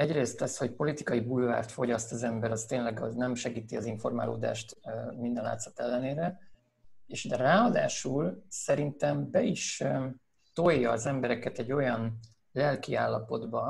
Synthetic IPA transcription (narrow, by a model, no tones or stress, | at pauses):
ɛɟreːst̪lɛsho̞cpo̞lit̪ikɒjibuːlva̰ːrt̪fo̞ɟɒst̪ɒzɛmbɛɾɒst̪eːnlɛɡɒnɛmʃɛɡiːt̪iɒziɱfo̞rma̰ːlo̰ːd̪a̰ːʃt̪ːmind̪ɛnla̰ːt̪sɒ̥t̪ɛlːɛneːɾɛ | eːʃd̪ɛraːɒd̪a̰ːʃulsɛɾint̪ɛmbɛiʃ | t̪ojːɒːzɛmbɛɾɛkɛt̪ɛɟːo̞jɒn | lɛlkiaːlːɒpo̞d̪bɒ